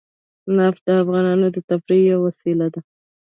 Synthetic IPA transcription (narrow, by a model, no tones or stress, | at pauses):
nɑfd̪əafɣɑnɑnod̪ət̪afɾijawasilad̪a